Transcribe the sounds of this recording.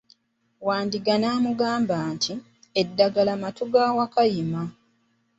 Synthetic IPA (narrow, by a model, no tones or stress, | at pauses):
waːndiɡanaːmuɡaːmbaːntʰi | edːaɡalamatuɡaːwakajima